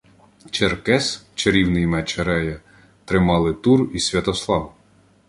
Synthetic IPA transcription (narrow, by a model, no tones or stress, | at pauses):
t͡ʃerkɛst͡ʃeɾʲiwnɪjmɛt͡ʃɐɾɛjɐ | t̪ɾɪmɑlˠɪt̪urisʲʋʲɐt̪ɔslˠɑw